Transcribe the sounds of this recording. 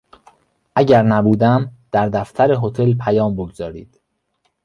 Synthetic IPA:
ʔæɟæɾnæbuːd̪æmd̪̥æɾd̪æft̪ʰæɾeɦot̪ʰelpʰæjɒːmboɡzɒːɾiːd̪̥

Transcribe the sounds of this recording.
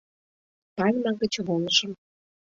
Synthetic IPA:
pɑlʲmɑɣə̆t͡ɕβolˠəʃə̆m

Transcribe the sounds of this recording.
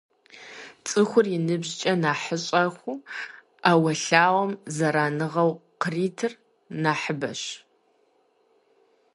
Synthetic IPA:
t͡sʼɨxʷʊrjɪnɨbʑt͡ʃʼɐnaːħəɕʼɐχʷu | aːwɐɬaːwɐmzɐɾaːnɨʁɐwqəriːtʰɨr | naːħəbɐ̰ɕ

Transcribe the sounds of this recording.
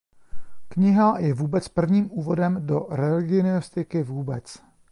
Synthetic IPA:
kɲɪɦajɛvuːbɛt͡spr̩vɲiːmʔuːvo̞dɛmdo̞ɾɛlɪɡɪnɪost̪ɪkɪvuːbɛt͡s

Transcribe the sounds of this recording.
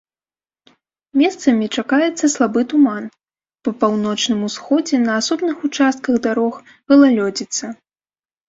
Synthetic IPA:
mʲɛst̪sɐmʲit͡ʂakajɛt̪sːɐslˠabɨt̪uman | pɐpawnɔt͡ʂnɨmusxɔd͡zʲɛnɐːsɔbnɨxut͡ʂast̪̚kɐɣd̪aɾɔx | ɣɐlˠalʲɔd͡zʲit̪sːɐ

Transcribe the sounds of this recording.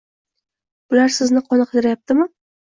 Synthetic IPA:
b̥ʊlaɾsɪznɪqʰɒnɨqʰɨd̪ɪɾajap̚t̪ɪmɪ

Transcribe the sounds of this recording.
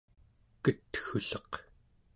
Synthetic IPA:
kət̪xuɬʌq

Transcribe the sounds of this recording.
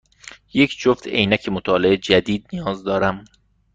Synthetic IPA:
je̞cʰd͡ʒoft̪ʰḛjnæcʰemot̪ʰɒːleed͡ʒæd̪iːd̪̚nijɒːzd̪ɒːɾæm

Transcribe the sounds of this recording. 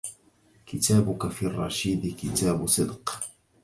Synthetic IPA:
kɪt̪aːbʊkafiːrˤːɑːʃiːd̪kɪt̪aːbsˤɨd̪q

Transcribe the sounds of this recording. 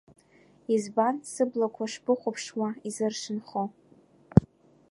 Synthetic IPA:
izbansɨblakʷʰaʂb̥ɨχʷʊpʰʂwaizɨrʂɨnχo

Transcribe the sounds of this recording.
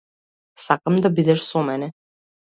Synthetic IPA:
sakamd̪abid̪ɛʃsɔmɛnɛ

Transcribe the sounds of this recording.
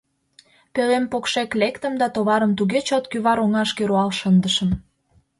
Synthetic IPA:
pølempokʃeklekt̪əmd̪ɑt̪oβɑɾəmt̪uɣet͡ɕot̪kyβɑɾoŋɑʃkeɾoɑlʃənd̪əʃəm

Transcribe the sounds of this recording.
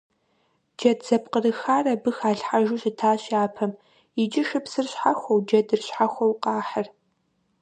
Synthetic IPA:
d͡ʒɐtz̥ɐpqərɨxaːrɐbɨxaːɬħaʒuːɕɪtʰaːɕaːpʰɐm | ɪd͡ʒɪʃɨpsɨrɕħaxʷowd͡ʒɐdɨrɕħaxʷɐwqɑːħɐr

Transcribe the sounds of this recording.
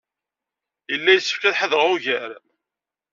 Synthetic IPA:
jəlːæjəsːə̥fkæðħəðɾʁuʝəɾ

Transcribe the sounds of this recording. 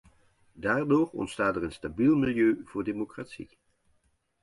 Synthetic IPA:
daːɹdoːɹɔ̰ntstaːtɛɹənstabilˠmɪlˠjøːv̥ʊːɹdemokratsḭ

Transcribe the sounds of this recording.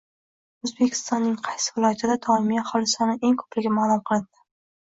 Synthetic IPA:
ozbekʲʰɪ̥st̪ɒnːɪŋqʰɑjsɪvɪlˠɒjat̪ʰɪd̪at̪ʰɒɪmijaχɒlɪsanɪʔe̞ŋkʰɵ̥plɪɡʲamaːlˠʊmqʰɨlˠɪnd̪̥ɪ̥

